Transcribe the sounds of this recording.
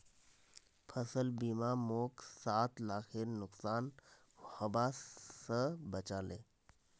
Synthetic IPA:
pʰəsəlbiːmaːmoːksaːt̪laːkʰeɾnʊksaːn | həbaːsəbət͡ʃaːleː

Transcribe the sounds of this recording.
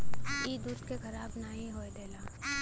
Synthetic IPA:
iːd̪uːskekʰɐɾaːbnaːɦĩɦoːed̪eːlaː

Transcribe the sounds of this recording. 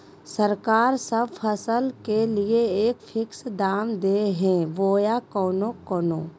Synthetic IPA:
səɾkaːɾsəbpʰəsəlkelieeːkfʰɪksd̪aːmd̪eːɦɛ̃ʋoːjakɔːnokɔːno̰ː

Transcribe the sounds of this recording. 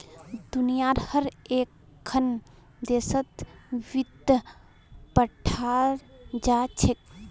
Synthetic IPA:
d̪unijaːɾhəɾeːkʰː | ən | d̪eːsət̪ʋid̪ | pəʈʰaːɾd͡ʒaːt͡ʃʰek̚

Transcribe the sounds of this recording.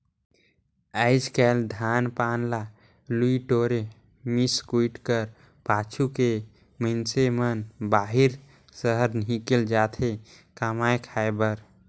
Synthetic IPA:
əɪd͡ʒkɛld̪ʱanpanla | luiʈoɾe | miskuiʈkəɾ | pat͡ʃʰuke | mənsemənbaɦiɾ | səɦəɾnɦikeld͡ʒat̪ʰe | kamajkʰaebəɾ

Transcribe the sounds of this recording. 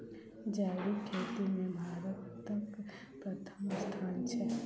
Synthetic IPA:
d͡ʒaːɾikʰːeːt̪imẽbʱaːɾət̪ːək | pɾɐt̪ʰəmst̪ʰaːnt͡ʃʰɛ

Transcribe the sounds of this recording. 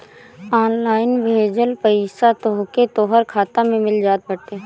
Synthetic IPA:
ɔːnlaːɪnbʱeːd͡ʒəlpəisat̪oːɦket̪oːɦəɾkʰaːt̪amẽmɪld͡ʒaːt̪̚bɐt̪eː

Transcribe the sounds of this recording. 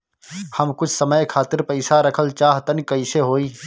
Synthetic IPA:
həmkʊt͡ʃʰsəməjkʰaːt̪ɪɾpəɪsaɾəkʰəlt͡ʃaːɦt̪ənkəɪseɦoːiː

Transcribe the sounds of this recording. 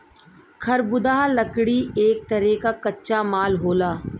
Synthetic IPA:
kʰɐɾbʊd̪aːɦlɐkɽieːk̚t̪ɐɾɛkakɐtːʃamaːlɦoːlaː

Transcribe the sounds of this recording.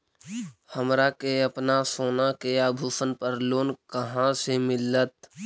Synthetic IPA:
həmɾakeəpnasoːnakeaːbʱuːsənpəɾloːnkəɦãsemɪlət̪̚

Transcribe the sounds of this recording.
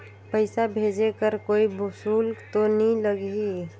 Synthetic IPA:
pəɪsabʱed͡ʒekəɾkoibusult̪oniləɡi

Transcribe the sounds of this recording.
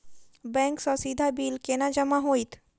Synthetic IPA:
bɛ̃ŋksɔsid̪ʱabiːlkenad͡ʒəmaɦoit̪

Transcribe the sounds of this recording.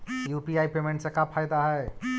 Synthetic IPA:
jupiaːipemẽɳʈsekapʰːajd̪aɦɛ

